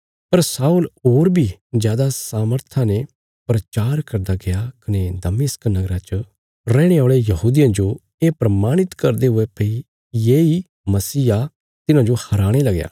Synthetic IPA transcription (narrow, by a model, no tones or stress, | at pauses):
pɐɾsaːuloːɾbʱid͡ʒjaːd̪asaːməɾt̪ʰane | pɾɐt͡ʃaːɾkɐɾd̪aɡejakɐned̪ɐmɪsknɐɡɾat͡ʃə | ɾɛːɽ̃eɔːɭejɐɦuːd̪ɪjãd͡ʒo | eːpɾɐmaːɽ̃ɪt̪kɐɾd̪eɦʊepɐi | jeːi | mɐsiːa | t̪ɪnãd͡ʒohɐɾaːɽ̃elɐɡja̰ː